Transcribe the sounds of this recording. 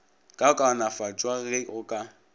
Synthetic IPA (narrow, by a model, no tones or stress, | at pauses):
kʼaʊkʼaʊnafat͡ʃʼwaɣɪʔʊkʼa